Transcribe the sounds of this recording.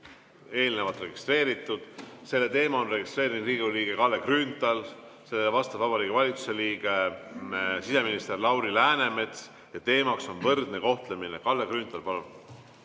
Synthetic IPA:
e̞ːlnevɑt̪re̞ɡ̥ist̪re̞ːɾit̪ːˑud̪̥se̞lːe̞t̪e̞ːmɑonre̞ɡ̥ist̪re̞ːɾiminriːɡuliːɡ̥e̞kɑlːe̞krynt̪ˑɑl | se̞leevɑst̪ɑbvɑbɑɾiːɡivɑlʲit̪su̥se̞liːɡ̥e̞ | sise̞minist̪erlɑwɾilæːne̞me̞t̪s | jɑt̪e̞ːmɑkso̞nvɤrd̪̥ne̞ko̞ht̪lemine̞kɑlːe̞krynt̪ˑɑlpɑlun

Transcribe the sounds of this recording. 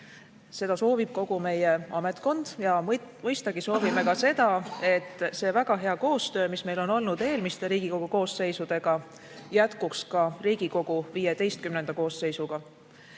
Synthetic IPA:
se̞d̪̥ɑso̞ːvib̥̚ko̞ɡ̥ume̞jeɑme̞t̪ˑko̞nd̪̥jɑmɯjst̪ɑɡ̥iso̞ːvime̞kɑse̞d̪̥ɑe̞t̪ːˑse̞ːvæɡɑɦe̞ɑko̞ːst̪ø̞ːmisme̞jlo̞no̞lnud̪̥e̞ːlmist̪eɾiːɡ̥iko̞ɡ̥uko̞ːsse̞jsud̪̥e̞ɡ̥ɑ | jæt̪kukskɑriːɡ̥iko̞ɡ̥uvijed̪e̞jst̪kymnend̪ɑko̞ːsːe̞jsuɡ̥ɑ

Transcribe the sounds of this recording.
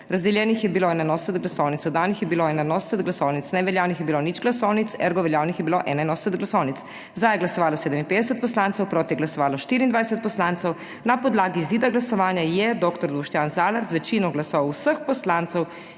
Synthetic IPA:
ɾazd̪ɛljɛnixjɛbiloɛnanɔsɛt̪ɡlasɔwnit̪sɔd̪aːnixjɛbiloɛnanɔsɛt̪ɡlasɔːwnit̪snɛʋɛljaːwnixjɛbilonit͡ʃɡlasɔːwnit̪sɛ̰ɾɡɔʋɛljaːwnixjɛbiloʔɛnajnɔsɛt̪d̪ɡlasɔwnits | zd̪ajɛɡlasɔʋaːlɔseːd̪ɛminpeːd̪ɛsɛt̪̚pɔslaːnt̪sɛwpɾoːt̪ijɛɡlasɔʋaːlɔʃt̪iːɾind̪ʋaːjɛsɛt̪̚pɔslant̪sɔw | napɔd̪laːɡiːziːd̪aɡlasɔʋaːnjajɛd̪oːkt̪ɔɾd̪uʃt̪janzaːlaɾzʋɛt͡ʃinɔɡlasɔwsəxpɔslaːnt̪sɔw

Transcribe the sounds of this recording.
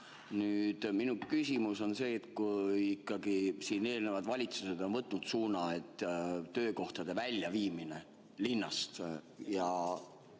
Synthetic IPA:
nyːd̪̥minukysʲimuso̞nse̞ːt̪kujikːˑɑɡ̥isiːne̞ːlnevɑd̪̥vɑlʲit̪suse̞d̪̥o̞nvɤt̪ːˑnud̪̥suːnɑe̞t̪ːø̞ːko̞ht̪ɑd̪̥e̞vælʲjɑviːmine | linːɑst̪ | jɑ

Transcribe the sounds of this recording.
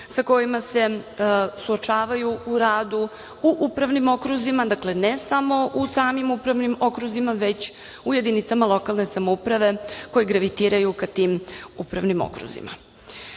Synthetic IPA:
sako̞jimase̞ | suot͡ʃaːʋajuuɾaːd̪u | uʔupɾaʋnimo̞kɾuzimad̪akle̞nesamo̞ʔusaːmimupɾaʋnimo̞kɾuzimaʋe̞t͡ɕ | uje̞d̪init̪samalˠo̞kalˠne̞samoupɾaʋe̞ko̞jiɡɾaʋit̪iːɾajukat̪iːmupɾaʋnimo̰kɾṵzḭma̰

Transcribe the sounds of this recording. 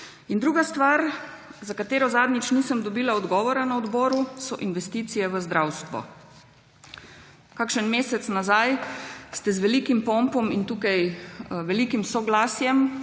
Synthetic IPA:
ind̪ɾuːɡast̪ʋaːɾ | zakat̪eːɾɔzaːd̪nʲit͡ʃniːsəmd̪ɔbiːlaɔd̪ɡɔːʋɔɾanaɔd̪bɔːɾusɔʔinʋɛst̪iːt̪sijɛʋəzd̪ɾawst̪ʋɔ̰ | kakʃənmeːsɛt̪snazajst̪ɛzʋɛliːkimpɔmpɔmint̪uːkajʋɛliːkimsɔɡlaːsjɛm

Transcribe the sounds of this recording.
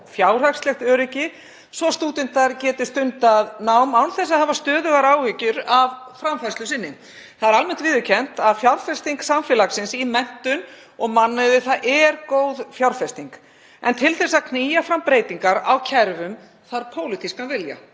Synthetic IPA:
fjaːwr̥akslɛxt̪œːɾɪcɪ | svɔst̪uːt̪ɪnt̪aɾcɛːt̪ɪ̥st̪ʏnt̪aðnawmawnθɛs̬aðhavast̪œːðʏɣaɾaːwhɪcʏɾavfɾamfaslʏsɪnːɪ | θaðɛɾalmɛn̥t̪vɪðʏcʰɛn̥t̪aðfjawɾfɛ̥st̪iŋksamfjɛlaksɪnsimɛn̥t̪ʏn | ɔɣmanːavɪθaðʔɛɾkoːwðfjawɾ̥fɛst̪iŋk | ɛ̰nt̪ʰɪlθɛsːaðkʰniːjafɾampɾeːjt̪iŋkaɾa̰wcʰɛɾvʏm | θaɾpʰoːwlɪt̪ʰiskavɪlja̰

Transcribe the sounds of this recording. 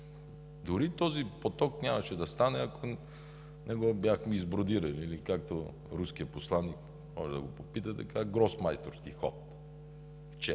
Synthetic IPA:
d̪ʊɾit̪ɔzipot̪ɔknʲamɐʃɛd̪ɐst̪anɛɐko | nɛɡɔbʲjaxmiːzbɾod̪iɾənilikakt̪o | ɾuskiəposlˠanːik | mɔʒɛd̪ɐ̰ɡopopit̪ət̪ɐkaɡɾɔsmajst̪oɾskixɔ̰t̪̚ | ft͡ʃɛ

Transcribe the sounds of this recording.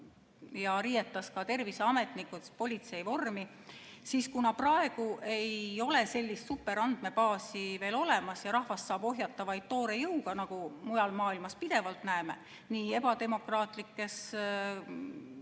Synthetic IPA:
jɑɾiːjet̪ˑːɑskɑt̪e̞rviseɑme̞t̪nikːˑut̪po̞lʲit̪se̞jvo̞rmi | siskunɑprɑe̞ɡ̥uʔe̞jo̞le̞se̞lʲːist̪supːe̞ɾɑnd̪̥me̞pɑːsive̞ːlo̞le̞mɑsjɑɾɑhvɑsːɑːb̥o̞ɦjɑt̪ːˑɑvɑjd̪̚t̪o̞ːɾe̞jɤwɡ̥ɑnɑɡumujɑlmɑːilmɑspid̪̥e̞vɑlt̪næeme | niːe̞bɑt̪e̞mo̞krɑːt̪ˑlikːe̞s

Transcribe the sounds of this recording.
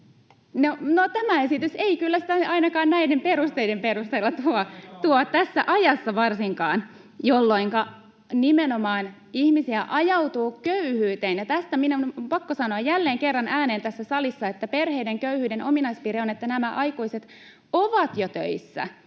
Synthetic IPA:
nonot̪æmæesit̪yseikylːæsit̪æɑinɑkɑːnnæidempeɾust̪eidempeɾust̪eilːɑt̪uot̪uot̪æsːæʔɑjɑsːɑʋɑrsiŋkɑːn | jolːo̞iŋkɑ | nimenomɑːn | ihmisiæʔɑjɑwt̪uːkøyhyːt̪eːnjɑt̪æst̪æminonmpɑkːosɑnoɑjjælːeːŋkerːɑnʔæːneːnt̪æsːæsɑlisːɑet̪ːæperheideŋkøyhyːdenʔominɑispiːɾeonet̪ːænæmæʔɑjkuiset̪ | oʋɑt̪jot̪ø̰isːæ̰

